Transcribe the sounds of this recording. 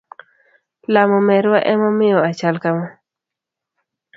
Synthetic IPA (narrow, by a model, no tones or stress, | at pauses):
lamɔmɛɾwaʔɛmɔmɪjɔat͡ʃalkamɔ